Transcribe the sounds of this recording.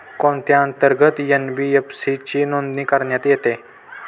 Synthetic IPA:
kõnt̪jaənt̪əɾɡət̪jənbiepsit͡ɕinond̪nikəɾɳjat̪jet̪e

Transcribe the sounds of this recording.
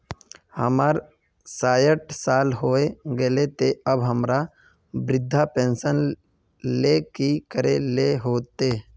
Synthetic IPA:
həmaːɾ | saːjəʈsaːlɦoːeɡelet̪eəbɦəmɾa | bɾɪd̪ʱːapẽːnsən | leːkikəɾeleɦoːt̪eː

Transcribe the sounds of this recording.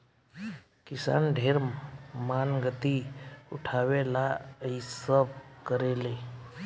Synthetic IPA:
kɪsa̰nɖʱeɾmmanɡət̪iuʈʰaʋelaəisəb̚kəɾele

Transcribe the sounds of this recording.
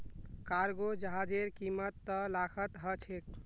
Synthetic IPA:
kaɾɡod͡ʒəɦad͡ʒeɾkimət̪ːəlakʰət̪ɦət͡ʃʰek̚

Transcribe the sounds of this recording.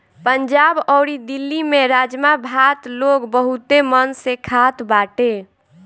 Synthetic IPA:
pəɲd͡ʒabɔɾid̪ilːimeɾad͡ʒmabʱat̪loɡbəɦut̪emənsekʰat̪baʈe

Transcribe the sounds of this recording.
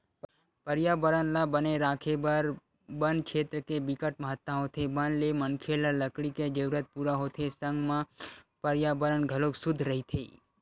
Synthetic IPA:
pəɾjabəɾənlabəneɾaːkʰebəɾ | bənkʃʰeːt̪ɾəkebɪkəʈ̚məɦət̪ːãɦot̪ʰebənlemənkʰelaləkɽiked͡ʒəʋɾət̪̚puɾaɦot̪ʰesəŋɡmã | pəɾjabəɾənɡʱəloksʊd̪ʱɾəɦit̪ʰḛː

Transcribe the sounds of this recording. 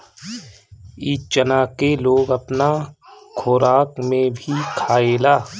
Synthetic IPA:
iːt͡ʃənaːkeloːɡɐpnakʰoːɾaːkmẽbʱikʰaːeːlaː

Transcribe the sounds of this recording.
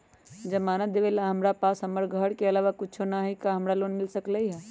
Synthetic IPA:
d͡ʒɐmaːnəd̪eʋelaɦɐmɾapaːsɦɐməɾɡʱəɽkeɐlaːʋakʊt͡ʃʰonaɦikaɦɐmɾaloːnmɪlsəkləiɦɛ

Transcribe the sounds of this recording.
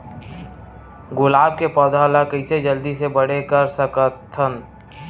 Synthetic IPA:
ɡʊlaːb̚kepɔːd̪əlakəɪsed͡ʒəld̪isebəɽ̤ekəɾsəkət̪ʰːən

